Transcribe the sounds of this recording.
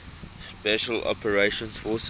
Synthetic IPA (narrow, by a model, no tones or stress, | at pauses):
spɛʃəlɔ̰pəɹeʃə̃nsfɔs